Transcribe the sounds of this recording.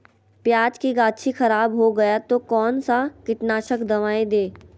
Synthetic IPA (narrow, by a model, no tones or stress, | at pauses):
pjaːd͡ʒkiɡaːt͡ʃʰixɐɾaːbɦoɡɐjat̪okɔːnsakɪʈnaːʃəkd̪ɐʋaːed̪eː